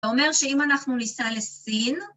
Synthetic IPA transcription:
o̞me̞ʁʃe̞imanaχnunisale̞sin

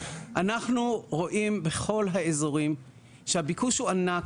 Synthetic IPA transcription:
ʔanaχnuʁo̞ʔimbe̞χo̞lɦaezo̞ʁim | ʃehabikuʃhuanak

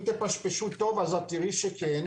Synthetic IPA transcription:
t̪epaʃpeʃut̪ovazat̪ːiɾiʃeken

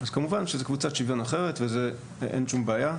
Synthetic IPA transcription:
azkamuvanʃezekvut͡satʃivjo̞naχe̞ʁetveze | ʔenʃumbeaja

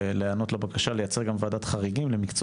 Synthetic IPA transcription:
leano̞tlabakaʃalejat͡se̞ʁɡamvaːd̪at̪χaʁiɡimlemikt͡s

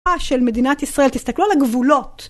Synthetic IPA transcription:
aʃe̞lme̞dinat̪isʁaʔe̞ltist̪aklualaɡvulo̞t

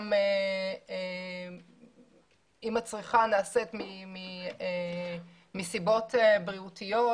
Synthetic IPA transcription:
mee | imat͡sʁiχanaːset̪mimie | misibo̞tebʁiutijo

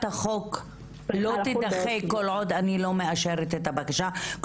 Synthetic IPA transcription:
t̪aχo̞k | lo̞t̪id̪aχekolʕo̞d̪anilo̞meaʃeʁet̪et̪abakaʃak

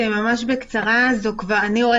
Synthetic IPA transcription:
emamaʃbekt͡saʁazokvaʁanioe

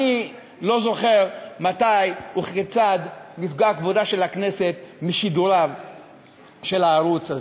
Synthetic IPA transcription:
i | lo̞zo̞χeʁmatajuχket͡sadlifɡakvodaʃe̞lakne̞se̞t̪miʃiduɾav | ʃe̞laːʁut͡saz

